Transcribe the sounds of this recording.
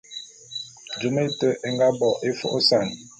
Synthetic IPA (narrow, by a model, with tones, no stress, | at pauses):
d͡ʒu˨me˦tə˦ʔɛ˨ŋɡa˦bɔ˨ʔe˦fɔ̰˦ʔo˦sa˦˨n˨